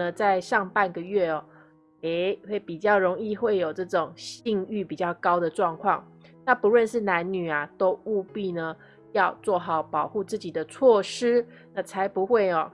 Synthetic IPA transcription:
ə˨t͡sa˥˧ɪʂɑ˥˧ŋpa˥˧nɡə˨ɥɛ˥˩ɔ˨˩ | e˧˥ɪxwe˥˩ɪpi˨˩t͡ɕjɑ˥˩ʊɻʊ˧˥ŋi˥˧xwe˥˩ɪjo˨˩ʊʈ͡ʂɤ˥˩ʈ͡ʂo˨˩ŋɕi˥˧ŋy˥˩pi˨˩t͡ɕjɑ˥˩ʊkɑ˥ʊd̪ə˨ʈ͡ʂwɑ˥˧ŋkʰwɑ˥˩ŋ | na˥˨pu˧˦lwə˥˧nʂɻ̩˥˩na˧˦nny˨˩a˩t̪o˥ʊu˥˧pi˥˩nə˩ | jɑ˥˧ʊt͡swɔ˥˩xɑ˨˩ʊpɑ˨˩ʊxu˥˧t͡sɹ̩˥˩t͡ɕi˨˩d̪ə˦t͡sʰwɔ˥˩ʂɻ̩˥ | na˥˩t͡sʰa˧˦ɪpu˧˦xwe˥˩ɪɔ˩

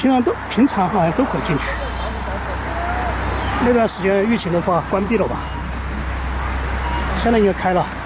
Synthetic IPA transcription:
pʰi˧˥ŋʈ͡ʂʰɑ˧˥ŋt̪o˥pʰi˧˥ŋʈ͡ʂʰɑ˧˥ŋxɑ˧˩ɕɛ˧˥t̪o˥ʊkʰɤ˨˩t͡ɕi˥˧nt͡ɕʰy̥˥˩ | na˥˧t̪wa˥˩nʂɻ̩˧˥t͡ɕjɛ˥ny˥˩t͡ɕʰi˧˥ŋd̪ə˧xwa˥˩kwa˥npi˥˩lə˨˩bɐ̰˨˩ | ɕjɛ˥na˥˩˥kʰa˥ɪlə˨

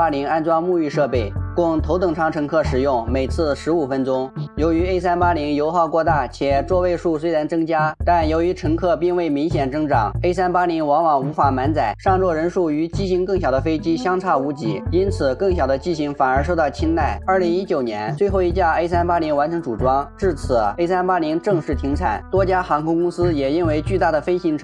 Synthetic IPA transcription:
a˥li˧˥ŋa˥nʈ͡ʂwa˥mu˥˧y˥˧ʂɤ˥˧pe˥˩ɪkʊ˥˩ŋt̪ʰo˧˥ʊt̪ɤ˧˨˩ŋʈ͡ʂʰɑ˥˩ŋʈ͡ʂʰɤ˧˥ŋkʰɤ˥˩ʂɻ̩˨˩jʊ˥˩ŋme˨˩ɪt͡sʰɹ̩˥˩ʂɻ̩˧˥u˨˩fə˥nʈ͡ʂʊ˥ŋjo˧˥ʊy˧˥e˥ɪsa˥npa˥li˧˥ŋjo˧˥ʊxɑ˥˧kwɔ˥˧t̪a˥˩t͡ɕʰjɛ˨˩ʈ͡ʂwɔ˥˧we˥˧ɪʂu˥˩swe˥ɪɻa˧˥nt͡sɤ˥ŋt͡ɕja˥t̪a˥˩njo˧˥ʊy˧˥ʈ͡ʂʰɤ˧˥ŋkʰɤ˥˧pi˥˧ŋwe˥˩ɪmi˧˥ŋɕjɛ˨˩nt͡sɤ˥ŋʈ͡ʂɑ˨˩˦ŋe˥ɪsa˥npa˥li˧˥ŋwɑ˧˥ŋwɑ˨˩ŋu˧˥fa˨˩ma˧˥nt͡sa˨˩ɪʂɑ˥˧ŋt͡swɔ˥˩ɻə˧˥nʂu˥˩y˧˥t͡ɕi˥ɕi˧˥ŋkɤ˥˩ŋɕjɑ˨˩ʊd̪ə˦fe˥ɪt͡ɕi˥ɕjɑ˥ŋʈ͡ʂʰa˥˩u˧˥t͡ɕḭ˧˥i˥nt͡sʰɹ̩˨˩kɤ˥˩ŋɕjɑ˨˩ʊd̪ə˦t͡ɕi˥ɕi˧˥ŋfa˨˩nə˞˧˥ʂo˥˧ʊt̪ɑ˥˩ʊt͡ɕʰi˥nt̪a˥˩ɪə˞˥˩li˧˥ŋi˥t͡ɕjo˨˩ʊnjɛ˧˥nt͡swe˥˧ɪxo˥˩ʊi˧˥t͡ɕja˥˧˩e˥ɪsa˥npa˥li˧˥ŋwa˧˥nʈ͡ʂʰɤ˧˥ŋʈ͡ʂu˨˩ʈ͡ʂwɑ˥ŋʈ͡ʂɻ̩˥˩t͡sʰɹ̩˨˩˦e˥ɪsa˥npa˥li˧˥ŋʈ͡ʂɤ˥˧ŋʂɻ̩˥˩t̪ʰi˧˥ŋt͡sʰa̰˨˩˦nt̪wɔ˥t͡ɕja˥xɑ˧˥ŋkʰʊ˥ŋkʊ˥ŋsɹ̩˥jɛ˨˩i˥nwe˥˧ɪt͡ɕy˥˧t̪a˥˩d̪ə˩fe˥ɪɕi˧˥ŋʈ͡ʂʰ

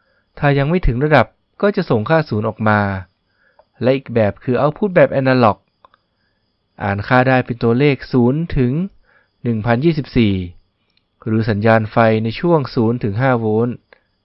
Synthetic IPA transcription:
t̪ʰaː˧˩ja˧ŋma˥˩jt̪ʰɯ˩˦ŋɾa˧da˨˩p̚ | kɔː˥˩t͡ɕa˨˩ʔso˨˩ŋkʰaː˥˩suː˩˦nʔɔː˨˩k̚maː˧ | lɛ˦˥ʔiː˨˩k̚bɛː˨˩p̚kʰɯː˧ʔa˧wpʰuː˥˩t̪̚bɛː˨˩p̚ʔɛ˧naː˧lɔ˨˩k̚ | ʔa̰ː˨˩nkʰaː˥˩daː˥˩jpe˧nt̪u˧ɐleː˥˩k̚suː˩˦nt̪ʰɯ˩˦ŋ | nɯ˨˩ŋpʰa˧njiː˥˩si˨˩p̚siː˨˩ | ɾɯː˩˦sa˩˦njaː˧nfa˧jna˧jt͡ɕʰu˥˩əŋsuː˩˦nt̪ʰɯ˩˦ŋɦaː˥˩woː˦˥n

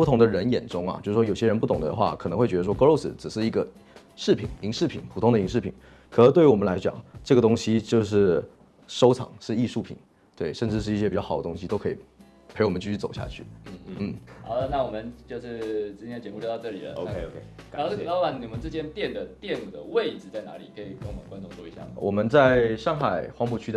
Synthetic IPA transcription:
pu˥˩t̪ʰʊ˧˥ŋd̪ə˧ɻə˧˥njɛ˨˩nʈ͡ʂʊ˥ŋɐ̰˨˩t͡ɕjʂ̩˥˩ʂwo˨˩ʊɕjɛ˥ɻə˧np̬u˥˩t̪ʊ˨˩ŋd̪ə̰˦d̪ə̰˧xwa˥˩k̪ʰxwe˥˩ɪɥɛ˧˥ə˧˥wɔ˥ko˥˧lo˥˧ʊsɹ̩˩ʈ͡ʂɻ̩˨˩ʂɻ̩˥˩i˧˥ɡə˧ | ʂɻ̩˥˩pʰḭ˨˩˦ni˧˥ŋʂɻ̩˥˩pʰḭ˨˩˦npʰu˨˩t̪ʰʊ˥ŋd̪ə˨˧i˧˥ŋʂɻ̩˥˩pʰi˨˩˦n | kʰə˨˩ə˧˥t̪we˥˩ɪ˥wɔ˨˩mə˦nla˧˥ɪt͡ɕjɑ̰˨˩ŋʈ͡ʂɤ˥˩ɡə˩t̪ʊ˥ŋɕi˥t͡ɕjo˥˧ʊʂ̬ɻ̩˥˩ | ʂo˥ʊt͡sʰɑ̰˨˩ŋʂɻ̩˥˧i˥˧ʂu˥˩pʰḭ˨˩˦n | t̪we˥˩ɪʂə˥˧nʈ͡ʂɻ̩˥˧ʂɻ̩˥˩˧i˥˩ɕjɛ˥pi˨˩t͡ɕɑ˥˩xʊə˦t̪ʊ˥ŋɕi˧t̪o˥ʊkʰi˨˩ | pʰe˧˥ɪwɔ˨˩mə˦nt͡ɕy˥˩t͡ɕʰy˥˩t͡so˨˩ʊɕja̰˥˧t͡ɕʰy˥˩n̩˥˩˥n̩˥˩ɑ̰˧˥ʊd̪ə˧na˥˩wɔ˨˩mə˦nt͡ɕjo˥˧ʊʂɻ̩˥˩t͡ɕi˥nʰjɛ˥nə˨t͡ɕɛ˧mu˥˩jt̪ɑ˥˧ʊʈ͡ʂɤ˥˩lḭ˨˩lə̰˦o˧ʊ˥e˧o˧ʊkʰe˥˩ɪ | k̪ɑ˥wa˥˩ni˨˩i˨mə˧˦nʈ͡ʂɻ̩˥˧t͡ɕjɛ˥nt̪jɛ˥˩nd̪ə˩t̪jɛ˥˩nu˨˩d̪ə˦we˥˩ɪʈ͡ʂɻ̩˩t͡sa˥˩ɪna̰˧˥li˨˩kʰɤ˧˥i˨˩kŋwmə˨˦kwa˥nʈ͡ʂʊ˥˧ŋt͡swɔ˥˩i˧˥ɕja̰˥˩ə˩wɔ˨˩mə˦nt͡sa˥˧ɪʂɑ˥˧ŋxa˨˩ɪxwɑ˥ŋpu˨˩t͡ɕʰy˥d̪ə˧

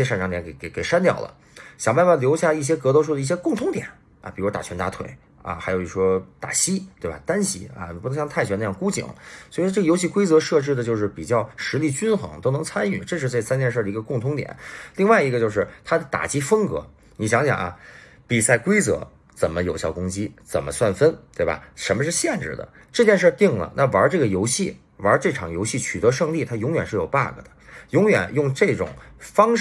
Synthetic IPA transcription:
ɛ˥ʂa˥˩nʈ͡ʂɑ˧˥ŋt̪jɛ˧˥ne˧˩ke˨˧˩ke˨˩ɪʂa˥nt̪jɑ˥˩ʊlə̰˩ | ɕjɑ˨˩ŋba˥˧nfa˥˩ljo˧˥ʊɕja˥˧i˥˩ɕ̬jɛ˥kɤ˧˥t̪o˥ʊʂu˥˩d̪ə˧i˥˩ɕjɛ˥kʊ˥˩ŋt̪ʰʊ˧˥ŋt̪jɛ̰˨˩˦n | ɐ̰˧˩pi˨˩ɻw̪a̰˨˩ɛ˧˥nt̪a̰˧˥t̪ʰwḛ˨˩˦ɪ | ɐ̰˧xa˧˥ɪjo˧˩i˧˥˩ʂwɔ˥t̪a̰˨˩ɕi˥t̪we˥˩ɪbɐ̰˨˩t̪a˥nɕḭ˥ɐ̰˧˩n˨˩u˥˧˥ŋɕjɑ˥˧ŋt̪ʰa˥˩ɪɕɥɛ˧˥na˥˧jɑ˥˩ŋku˥t͡ɕḭ˨˩˦ŋswi˨˧˥ʈ͡ʂɤ˥˩ɡə˩jo˧˥ʊɕ̬i˥˩kwe˥ɪt͡sɤ˧˥ʂɤ˥˧ʈ͡ʂɻ̩˥˩d̪ə˩t͡ɕjo˥˧ʊʂ̬ɻ̩˥˩pi˨˩t͡ɕjɑ˥˩ʊʂɻ̩˧˥li˥˩t͡ɕy˥nxɤ̰˧˥ŋt̪o˥ʊnɤ˧˥ŋt͡sʰa˥ny˥˩ʈ͡ʂɤ˥˧ʂ̬ɻ̩˥˧t͡sa˥˩t͡sʰa˥nt̪jɛ˥˧nʂ̬ɤ˥˩də˩i˧˥ɡə˧kʊ˥˩ŋt̪ʰʊ˧˥ŋt̪jɛ̰˨˩˦nli˥˧ŋwa˥˩ɪi˧˥ɡə˧t͡ɕjo˥˧ʊʂɻ̩˥˩t̪ʰa˥d̪ə˨t̪a̰˨˩t͡ɕi˥fə˥ŋkɤ̰˧˥ | ni˧˥ɕjɑ˧˥ŋɕjɑ̰˨˩ŋʔɐ̰˧ | pi˨˩sa˥˩ɪkwe˥ɪt͡sɤ̰˧˥ | t͡sə˨˩nmə˦jo˨˩ʊɕjɑ˥˩ʊkʊ˥ŋt͡ɕi˥t͡sə̰˨˩nmə̰˦swa˥˩nfə˥nt̪we˥˩ɪbɐ̰˩ʂə˧˥mə˧ʂ̬ɻ̩˥˧ɕjɛ˥˧nʈ͡ʂɻ̩̰˥˩d̪ə̰˩ | ʈ͡ʂɤ˥˧t͡ɕjɛ˥˧nʂ̬ə˥˧t̪i˥˩ŋlə̰˩na˥˩wə˧˥ʈ͡ʂɤ˥˩ɡə˩jo˧˥ʊɕi˥˩ | wə˧˥ʈ͡ʂɤ˥˩ʈ͡ʂʰɑ̰˨˩ŋjo˧˥ɕi˥˩t͡ɕʰy˨˩t̪ɤ˧˥ʂɤ˥˧ŋli˥˩t̪ʰa˥jʊ˧˥ŋɥɛ˨˩nʂɻ̩˥˩jo˨˩ʊpa̰˥˩ɡə̰˩d̪ə˩jʊ˧˥ŋjɥɛ̰˨˩njʊ˥˧ŋʈ͡ʂɤ˥˩ʈ͡ʂʊ̰˨˩ŋfɑ˥ŋ

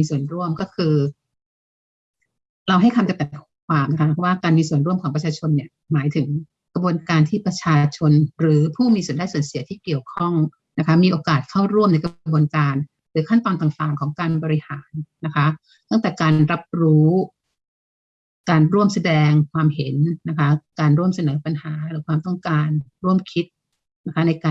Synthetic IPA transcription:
miː˧su˨˩ənɾu˥˩əmkɔː˥˩kʰɯː˧ | ɾa˧wɦa˥˩jkʰa˧mt͡ɕ̪a˧˩ŋt̪ɛː˨˩˨kʰwaː˧mna˦kʰa˦˥pʰɔ˦˥waː˥˩kaː˧nmiː˧su˨˩ənɾu˥˩əmkʰɔː˨˩˦pɾa˧t͡ɕʰaː˧t͡ɕʰo˧nːi˥˩ə | maː˩˦jt̪ʰɯ˩˦ŋ | kɾa˧bu˧ənkaː˧nt̪ʰiː˥˩pɾa˧t͡ɕʰaː˧t͡ɕʰo˧nɾɯː˩˦pʰuː˥˩miː˧su˨˩ənda˧˩jsu˨˩ənsi˨˩˦t̪ʰiː˥˩ki˨˩əwkʰɔ˥˩ŋ | na˦˥kʰa˦˥miː˧ʔoː˧kaː˨˩t̪̚kʰa˥˩wɾu˥˩əmna˧jkɾbu˧ənkaː˧n | ɾɯː˩˦kʰa˥˩nt̪ɔː˧nt̪aː˨˩ŋt̪aː˨˩ŋkʰɔː˩˦ŋkaː˧nbɔː˧ɾi˧˥haː˩˦nːa˦˥kʰa˦˥ | t̪a˥˩ŋt̪ɛː˨˩kaː˧nɾa˦˥p̚ɾuː˦˥ | kaː˧nɾu˥˩əmsa˧dɛː˧ŋkʰwaː˧mɦe˩˦nːa˦˥kʰa˦˥kaː˧nɾu˥˩əmsa˧nɤː˩˦pa˧nhaː˩˦ɾɯː˩˦kʰwaː˧mt̪ɔ˥˩ŋkaː˧nɾu˥˩əmkʰi˦˥t̪̚ | na˦˥kʰa˦˥na˧jkaː˧

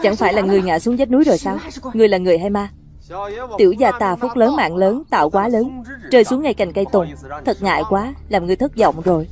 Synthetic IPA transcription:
t͡ɕa̰˧˩ŋfaː˧˩jlaː˨˩ŋɨ˨˩əjŋa̰ː˧˨su˨˦əŋzə˦˥t̚nu˨˦jzo˨˩jsaː˧wŋɨ˨˩əjlaː˨˩ŋɨ˨˩əjɦaː˧jmaː˧ | t̪i˧˩əwzaː˧t̪aː˨˩fu˦˥k͡p̚ləː˨˦nma̰ː˧˨nləː˨˦nt̪a̰ː˧˨wkwaː˨˦ləː˨˦nt͡ɕəː˧jsu˨˦əŋːa˧jka˨˩jŋ̟kə˧jt̪ʊ˨˩ŋ͡mt̪ʰə˨˩t̚ŋa̰ː˧˨jkwaː˨˦laː˨˩mŋɨ˨˩əjt̪ʰɨ˦˥t̚zɔ̰˧˨wŋ͡mzo˨˩j

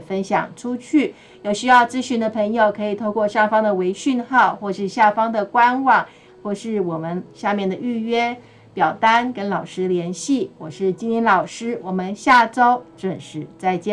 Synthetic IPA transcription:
fə˥nɕjɑ̰˨˩ŋʈ͡ʂʰu˥t͡ɕʰy˥˩ | jo˨˩ʊɕy˥jɑ˥˩ʊt͡sɹ̩˥ɕy˧˥nd̪ə˧pʰɤ˧˥ŋjo˨˩ʊkʰɤ˧˥i˨˩t̪ʰo˥˧ʊkwɔ˥˧ʂɑ˥˩ŋfɑ˥ŋd̪ə˨we˧˥ɪɕy˥˧nxɑ˥˧ʊxwɔ˥˧˩ʂɻ̩˥˧ɕja˥˩fɑ˥ŋd̪ə˨˩kwa˥nwɑ˨˩ŋ | xwɔ˥˧ʂɻ̩˥˩wɔ˨˩mə˦nɕja˥˧mjɛ˥˩nd̪ə˩y˥˩ɥɛ˥ | pjɑ˨˩ʊt̪a˥nkə˥nlɑ˨˩ʊʂɻ̩˥d̪ə˨ljɛ˧˥nɕi˥˩wɔ˨˩ʂɻ̩˥˩t͡ɕi˥nt̪ʰjɛ˥nlɑ˨˩ʊʂɻ̩˥wɔ˨˩mə˦nɕja˥˩ʈ͡ʂo˥ʊʈ͡ʂə˥˨˩ŋʂɻ̩˧˥t͡sa˥˧ɪt͡ɕjɛ˥˩

